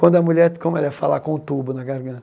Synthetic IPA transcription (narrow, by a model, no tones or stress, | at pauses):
kwɐ̃nd̪ʊɐmuʎɛɾkõmʊɛlɛfalakõʊt̪ubʊnɐɡaɾɡɐ̃t̪